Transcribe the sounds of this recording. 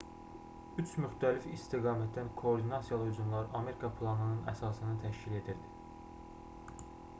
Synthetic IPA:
yt͡ʃʰmyxt̪ʰælifist̪iɡɑːmæt̪̚d̪ænkʰo̞ːɾd̪inɑsijɑlˠɯuzumlˠɑɾɑme̞ɾikʰɑpʰlˠɑnɯnɯnæ̰sɑːsɯnɯt̪ʰæʃcile̞d̪iɾd̪i̥

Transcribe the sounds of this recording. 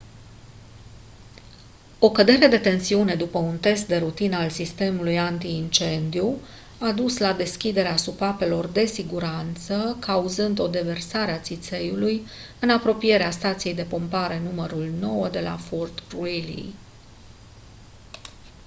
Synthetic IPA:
o̞kəd̪e̞ɾe̞d̪e̞t̪e̞nsiune̞d̪upəunt̪e̞st̪̚d̪e̞ɾut̪inalsist̪e̞mulujant̪iːnt͡ʃe̞nd̪iu | ad̪uslad̪e̞skʲid̪e̞ɾeasupape̞lo̞rd̪e̞siɡuɾant̪səkʰauzɨnd̪o̞d̪e̞ve̞rsaɾeat̪sit̪se̞julujɨnapɾo̞pije̞ɾeast̪at̪sije̞jd̪e̞po̞mpaɾe̞numəɾulno̞wəd̪e̞la̰fort̪uelḭ

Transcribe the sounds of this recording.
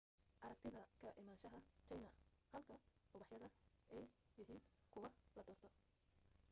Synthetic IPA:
ʔɐɾɐk̚t̪ʰɪðɐkʰɐʔɪmaːnʃɐɦɐt͡ʃɐjnɐhɐlkʰɐhʊβɑħjɐðɐɛjjɪɦiːnkʰʊwɐlɐd̪ɔrt̪ʰɔ

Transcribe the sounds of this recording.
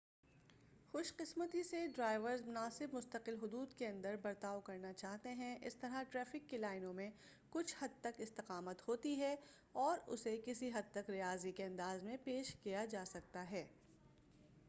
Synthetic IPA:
xʊʃqɪsmət̪iseɖɾaːɪʋəɾzmʊnaːsɪbmʊst̪əqɪlɦʊd̪uːd̪keɐ̃nd̪əɾbɐɾt̪aːokɐɾnat͡ʃaːɦt̪eɦɛ̃ʔɪst̪ɐɾaʈɾɛːfɪkːelaːɪnõmẽ | kʊt͡ʃʰhɐd̪̚t̪ɐkɪst̪ɪqaːmət̪hoːt̪iɦɛ | ɔːɾʊ̰sekɪsiɦɐd̪̚t̪ɐkɾijaːzikeɐ̃nd̪aːzmẽpeːʃkijad͡ʒaːsɐk̚t̪aɦɛː

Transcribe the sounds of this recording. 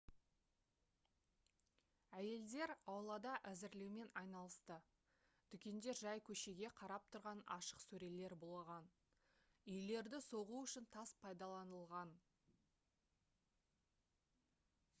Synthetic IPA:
æje̞ld̪e̞ɾɑwlˠɑd̪ɑʔæzɪɾlewme̞nɑjnɑlˠəst̪ə | d̪̥ʏkʲe̞nd̪e̞ʒɑjkʲʰɵʃe̞ɡʲe̞qʰɑɾɑp̚t̪ʰʊɾʁɑnɑ̰ʃə̥qsɵɾe̞le̞ɾbolˠəʁɑn | ʏjle̞ɾd̪ɪso̞ʁuʏʃɪnt̪ʰɑspʰɑjd̪ɑlˠɑnəlˠʁɑn

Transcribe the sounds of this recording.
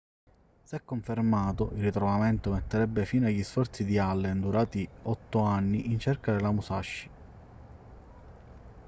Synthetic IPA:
sɛkːoɱfermaːt̪ʊʔilːit̪ɾɔvamɛnt̪ʊmɛt̪ːeɾɛbːefiːnaʎːisfɔrt̪sid̪ialːend̪uɾaːt̪iɔt̪ːʊanːiʔint͡ʃɛrkad̪elamusaʃːi̥

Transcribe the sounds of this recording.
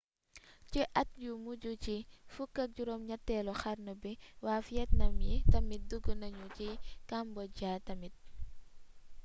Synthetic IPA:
t͡ʃiʔɐt̚jumuɟut͡ʃifukːɐk̚d͡ʒuɾɔmɲɐtːɛlɔxaɾnɔbiwafjɛtnɐmjitɐmit̚duɡənɐɲut͡ʃikambɔɟaːtɐmit̚

